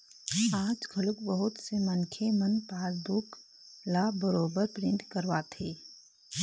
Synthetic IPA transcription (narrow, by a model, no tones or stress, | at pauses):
aːd͡ʒkʰəlʊkbəɦʊt̪semɐnkʰemənpaːɾbʊk | laːbəɾoːbəɾpɾɪ̃nʈ̪kɐɾʋaːt̪ʰeː